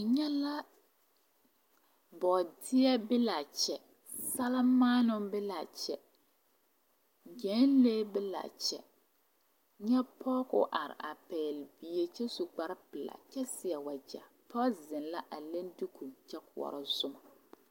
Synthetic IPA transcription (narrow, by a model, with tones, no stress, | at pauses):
ɲɛ˦la˦ | bɔ˨dɪ˦ɛ˦bɪ˦la˨t͡ʃɛ˨ | sa˦la˦maː˦nʊ˦bɪ˦la˨t͡ʃɛ˨ | d͡ʒɛː˨˦n˦leː˦bɪ˦la̰˨t͡ʃɛ̰˨ | ɲɛ˦pʰɔ˦kʊ̰˦ʔa˨ɾɪ̰˨ʔa̰˨pɛː˨lbi˨je˨t͡ʃɛ˦su˨ɡ͡ba˦ɾɪ˦pɨ˨la̰˨t͡ʃɛ˦sɪ˨ɛ˨wa˨d͡ʒa̰˨ | pɔ˦zɪ˨nla˦ʔa˨le˦ndɪ˦kʰu˨t͡ʃɛ˦kʊ˨ɔ̰˨ɾɪ˦zʊ˦ma˨